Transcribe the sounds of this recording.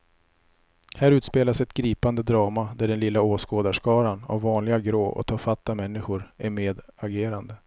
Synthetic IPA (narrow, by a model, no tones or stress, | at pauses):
hæːɾʉ̟ːt̪speːlasɛt̪ɡɾiːpand̪əd̪ɾɑːmad̪æɖɛnlɪlːaoːskoːd̪aʂkɑːɾana̰vːɑːnlɪɡaɡɾoːʔɔ̰t̪ʰɑːɾfat̪ːamɛnːɪɧʊɾæɾmeːd̪aɡeːɾand̪ə